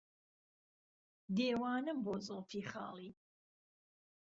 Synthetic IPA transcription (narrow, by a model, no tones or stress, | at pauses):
d̪eːwaːnɨmbɔːt͡sʼəlˠfʰiχa̰ːlˠi